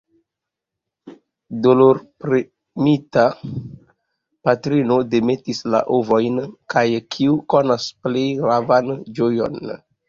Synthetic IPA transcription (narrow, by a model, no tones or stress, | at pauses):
doloɾpɾe | mita | patɾino̞de̞me̞tisla̰ʔovo̞jnkʰajkʰiukonasplejɡɾavand͡ʒojo̞̰n